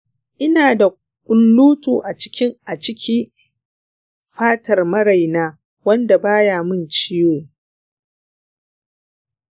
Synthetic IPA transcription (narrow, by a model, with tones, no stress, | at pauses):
ʔɪ˦naː˨da˨ | kʷʼʊ˦nluː˦tʼuː˨ʔa˨t͡ʃɪ̥˦kʲɪ˦ŋʔa˨t͡ʃɪ˦kʲi˦ | ɸaː˦tɐ˨rmɐ˦ɾa˨jnaː˦ | wɐ˦nda˨baː˦jaː˨mɪ˦˨nt͡ʃɪ˦joː˨